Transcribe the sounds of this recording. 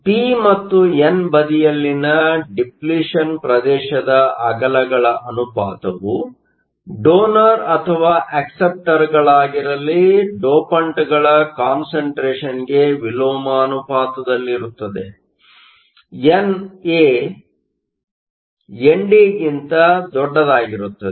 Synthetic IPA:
pimɐt̪ːuenbɐd̪ijɐlːinɐɖipliːʂɐnpɾɐd̪ɛːʃɐd̪ɐɐɡɐlɐɡɐɭɐʔɐnupaːt̪ɐʋu | ɖoːnɐɾɐt̪ʰɐʋaːʔɐksep̚ʈɐɾɡɐɭaːɡiɾɐlːiɖoːpɐɳʈɡɐɭɐkaːnsɐɳʈɾeːʃɐnɡe̞ʋiloːmɐːnupaːt̪ɐd̪ɐlːiɾut̪ːɐd̪e̞̰ | ene | jeɳɖiːɡint̪ɐd̪ɔɖːɐd̪aːɡiɾut̪ːɐd̪

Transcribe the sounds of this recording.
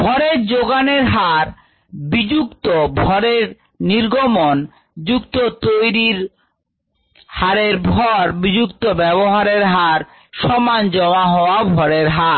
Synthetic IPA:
bʱɔɾeɾd͡ʑoɡaneɾɦaɾ | bid͡ʑukt̪obʱɔɾeɾ | niɾɡomon | d͡ʑukt̪ot̪ojɾiɾ | haɾeɾbʱɔɾbid͡ʑukt̪obɛβoɦaɾeɾɦaɾ | ʃɔmand͡ʑɔmaɦɔoabʱɔɾeɾɦaɾ

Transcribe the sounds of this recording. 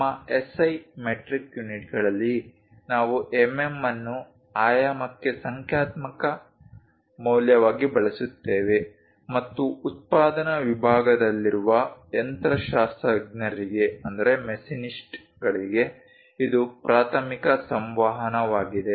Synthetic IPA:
ɐesɐjmeʈɾikjuniʈɡɐɭɐlːi | naːʋuʔememːɐnːu | aːjaːmɐkːesɐŋkʰjaːt̪mɐkɐ | mɐːljɐʋaːɡibɐɭɐsut̪ːeːʋe̞ | mɐt̪ːuːt̪̚paːd̪ɐnɐʋibʱaːɡɐd̪ɐlːiɾuʋɐent̪ɾɐʃaːst̪ɾɐɡnɐɾiɡe̞ɐnd̪ɐɾe̞mesinisʈ | ɡɐɭiɡe̞ | id̪upɾaːt̪ʰɐmikɐsɐmʋaːɦɐnɐʋaːɡid̪e

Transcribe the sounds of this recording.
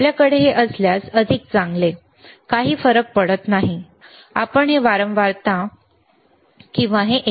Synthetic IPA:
ljakəɽeɦeʔəsljasəd̪ʱik̚t͡saŋɡle | kaɦiːfəɾək̚pəɽət̪naɦi | apəɳɦeʋaɾəmʋaɾt̪ã | kĩw̃ʋaɦeʔ

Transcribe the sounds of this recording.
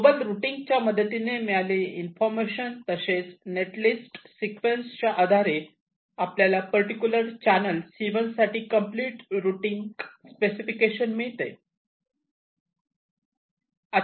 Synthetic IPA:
obəlɾuʈiŋɡ̚t͡ɕjaməd̪ʱət̪inemiɭaleinfɔɾmeɕənt̪əset͡sneʈlisʈsikʋenst͡ɕaʔəd̪ʱaɾe | apljalapəɾʈikjuləɾt͡ɕænəlsiʋənsaʈiːkəmpliːʈɾuʈiŋɡspesifikeɕənmiɭt̪ḛ | a

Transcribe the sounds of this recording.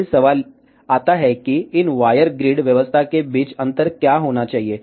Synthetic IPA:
səʋal | at̪aɦɛkiːinʋajəɾɡɾiːɽʋjəʋəst̪ʰakebit͡sənt̪əɾkjaɦoɽ̃at͡ɕaɦie

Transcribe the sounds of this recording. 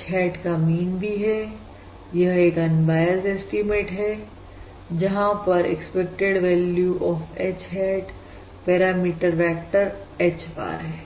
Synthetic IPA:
t͡ʃɦɛːʈkamiːnbʱiɦɛ | jɐɦeːkɐ̃nbaːjəzesʈimeːʈɦɛ | d͡ʒɐɦãpɐɾḛkspek̚ʈeɖʋɛːljuʔɔːfet͡ʃɦɛːʈ | pɛːɾaːmiːʈəɾfɛːk̚ʈəɾeːt͡ʃba̰ːɾɦɛː

